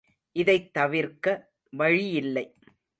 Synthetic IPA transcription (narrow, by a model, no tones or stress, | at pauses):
ʔɪðɐɪt̪ːɐʋɪɾkɐ | ʋɐɻɪjɪlːɐɪ